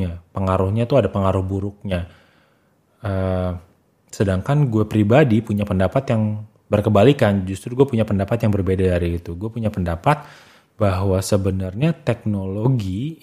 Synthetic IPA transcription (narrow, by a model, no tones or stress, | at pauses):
ɲapəŋaɾʊhɲat̪uadapəŋaɾʊhbuɾʊk̚ɲa | ə | sədaŋkanɡuapɾibadipuɲapəndapat̪jaŋ | bərkəmbalikand͡ʒust̪ɾuɡuapuɲapəndapat̪jaŋbərbedadaɾiit̪uɡuapuɲapəndapat̪̚ | baɦwasəbənarɲat̪ɛk̚noloɡi